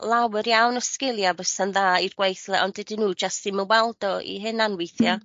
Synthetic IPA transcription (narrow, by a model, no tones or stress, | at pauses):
lˠawɨɾjawnɔskɪlˠjabəsənðaːirɡ̥wejθlɛʔɔndɛdinuːd͡ʒastimɛwwɛlˠdɔḭɦɨnanwejθja